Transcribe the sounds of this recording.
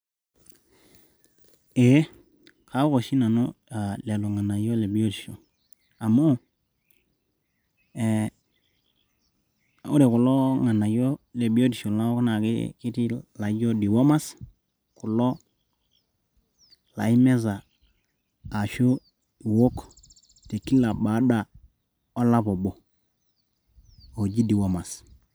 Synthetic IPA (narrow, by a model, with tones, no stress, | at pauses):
e˨˦ | kʰa˨˦ko˨ʃi˦na˨nɔ̰˦a˨lɛ˨lɔ˨ŋa˨na˨jɔ˦le˨bi˦o˦ti˨ʃo˨ | a˨mu˦˨ | o˦ɾɛ˨kʊ˨lɔ˦ŋa˨na˨jɔ˦le˨bi˦o˦ti˨ʃo˨la˦kna˨kɪ̰˦ki˦ti˦la˨˦d͡ʒɔ˦di˨wo˦ma˦s | ku˨lɔ˦ | la̰˨i˦mɛ˦za˨ | ʃo˦˨ | wo˦k | te˨ki˦la˨ba˨˦da˦ | o˦la˦pɔ˨bɔ˨ | o˨d͡ʒi˦di˨wo˦ma˨s